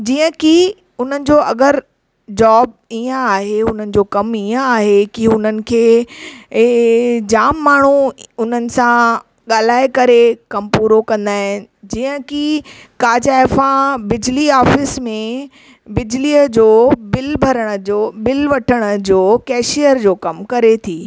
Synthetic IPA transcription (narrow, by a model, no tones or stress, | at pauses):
d͡ʑiːə̃ki | ʊn̤ənɪ̆d͡ʑoːʔɐɡəɾ | d͡ʑaːb̚ | iːə̃aːɦeʊn̤ənɪ̆d͡ʑoːkɐmiːə̃aːɦekiʊn̤ənɪ̆kʰeː | d͡ʑaːmːaːɳ̤uʊnənɪ̆sã | ɠaːl̤aːekɐɾekɐmpuːɾokɐ̃nd̪aːɦɪ̃nɪ̆d͡ʑiːə̃kikaːd͡ʑaːɪfãbɪd͡ʑliaːfɪsmẽ | bɪd͡ʑliːəd͡ʑoːbɪlbʱɐɾəɽ̃̆obɪlʋɐʈʰəɽ̃ə̆d͡ʑoːkɛːʃijəɾd͡ʑoːkɐmkɐɾet̪ʰiː